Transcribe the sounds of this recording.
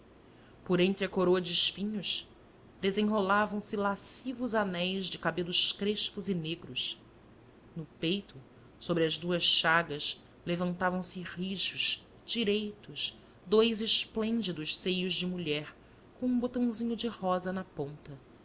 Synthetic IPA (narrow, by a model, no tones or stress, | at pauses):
poɾẽnt̪ɾɪɐkoɾoɐd͡ʒɪːʃpĩɲʊʃ | d̪ezẽɦolavɐ̃w̃sɪlasivʊzanɛjzd͡ʒɪkabelʊʃkɾeʃpuzineɡɾʊʃ | nʊpejt̪ʊ | sobɾɪɐzd̪uɐsʃaɡɐʃ | levɐ̃nt̪avɐ̃w̃sɪʁiʒʊʃ | d͡ʒiɾejt̪ʊʃ | d̪ojzɪʃplẽnd͡ʒid̪ʊʃsejʊzd͡ʒɪmuʎɛɾ | kõũbot̪ɐ̃w̃zĩɲʊd͡ʒɪhɔzɐnɐpõnt̪ɐ